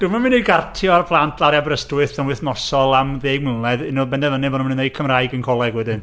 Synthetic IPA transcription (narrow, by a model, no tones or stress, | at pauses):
d̥umamɨniɡartʰjɔarpʰlˠantʰlaɾabɾəstwɨθpʰanwɨθnɔsɔlˠamðeːɡ̚mɪllˠɛðɪnɔbɛndɛvənɨbɔnumnunejkʰəmrajɡənkʰɔlˠɛɡwɛdɪn